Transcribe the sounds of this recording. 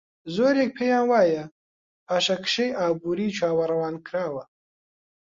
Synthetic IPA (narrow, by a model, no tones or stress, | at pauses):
zoːɾeːk̚pʰeːjãːnwɑːjɐ | aʃɐkʰʃejʔɑːbuːɾiːt͡ʃʰaːwɐɾɐwɑːnkʰɾaːwɐ